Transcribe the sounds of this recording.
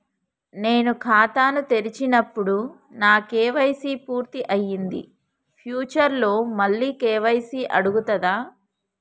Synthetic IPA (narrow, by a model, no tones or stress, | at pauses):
ne̞ːnukʰaːt̪aːnut̪e̞ɾit͡ʃinɐpːuɽu | naːkɛːʋɐjsiːpuːɾt̪iʔɐjːind̪ḭ | pʰjuːt͡ʃɐɾlo̞ːmɐlːiːkɛːʋɐjsiːʔɐɽuɡut̪ɐd̪aː